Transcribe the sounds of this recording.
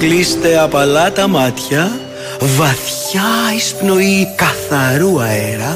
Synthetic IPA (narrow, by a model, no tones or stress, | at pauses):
klist̪e̞ɐpɐlɐt̪ɐmɐt̪çɐ | vɐθçɐispno̞ikɐθɐɾuɐeɾɐ